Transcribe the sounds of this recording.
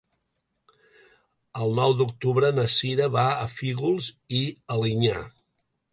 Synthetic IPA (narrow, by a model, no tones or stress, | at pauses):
əlˠnɔwd̪uk̚t̪uβɾənəsiɾəβaəfiɣulˠziəliɲa̰